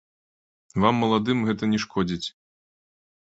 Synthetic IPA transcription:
vamːɐlˠad̪ɨmɣɛt̪ɐnʲɛʂkʰɔd͡zʲit͡sʲ

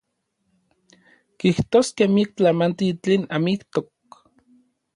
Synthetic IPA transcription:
kiht̪oːskemiek̚t͡ɬamant̪it͡ɬeːnamikt̪ok̚

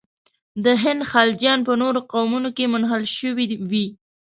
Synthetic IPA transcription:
d̪əɦɪnd̪xɑld͡ʒjɑnpənoɾoqawmunokemʊnɦəlʃəwiwi

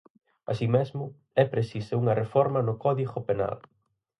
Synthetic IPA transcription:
a̰simɛzmʊ | ɛpɾesisɐuŋɐrefɔɾmɐnʊkɔðiɣʊpena̰l

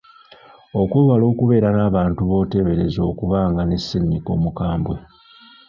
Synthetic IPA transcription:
o̞kweːβalo̞ːkuβe̞ːɾanaːβaːntuβo̞ːte̞βe̞ɾe̞zo̞ːkuβaːŋɡanesːinːiko̞̰ːmukaːmbwe̞

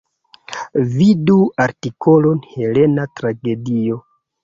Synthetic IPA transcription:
viduaɾtiko̞lo̞nhe̞le̞natɾaɡe̞dio̞

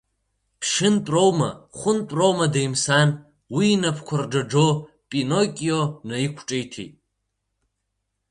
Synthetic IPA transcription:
pʰʂɨntʼrowma̰χʷʊntʷʼrowmadajmsan | wiːnapʰkʷʰard͡ʒad͡ʒo | pʼinokʲʼijonaikʷʰʈ͡ʂʼejtʰḛjtʼ

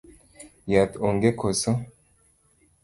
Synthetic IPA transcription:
jat̪oŋɡekʰoso

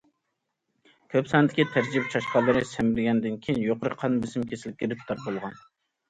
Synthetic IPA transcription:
kʲʰøpsɑnɨd̪ɪkʲit̪ʰæɾd͡ʒibɛt͡ʃʰɑʃqɑlˠːɨɾɨsæmɪɾɪɡʲɛnd̪ɪnkʲʰijinjoqəɾɨqʰɑnbɪsɪmkʲʰesɪlɪp̚ʲkʲiɾɪp̚t̪ʰɑp̚bolˠʁɑn

